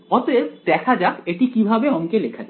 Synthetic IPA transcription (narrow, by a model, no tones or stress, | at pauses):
ɔt̪oebd̪ɛkʰad͡ʑakeʈikibʱabeɔŋkelekʰad͡ʑa